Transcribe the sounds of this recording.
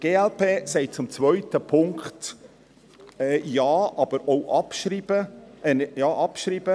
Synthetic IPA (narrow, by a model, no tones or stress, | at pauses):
ɡ̥eːɛlpʰeːsɛɪt̚t͡sʊmt͡sʋœʏtəpʰʊŋkχt | ɛjɑːʔɑb̥əɾoʊʔɑpʃɾibəɛnjɑːʔɑpʃɾiːb̥ə